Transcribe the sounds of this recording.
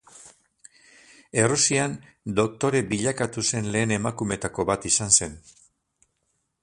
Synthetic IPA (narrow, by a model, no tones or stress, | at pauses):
e̞rusian | d̪o̞k̚t̪o̞ɾe̞biʎakat̪use̞nle̞ːne̞makume̞t̪ako̞βat̪isanse̞n